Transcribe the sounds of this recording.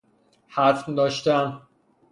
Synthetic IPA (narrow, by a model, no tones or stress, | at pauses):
hæɾfd̪ɒːʃt̪æn